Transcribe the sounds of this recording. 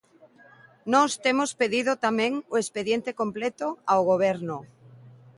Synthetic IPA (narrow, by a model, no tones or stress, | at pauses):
nɔst̪emospeðiðot̪amẽŋoespeðjent̪ekomplet̪oaoɣ̞oβ̞ɛɾno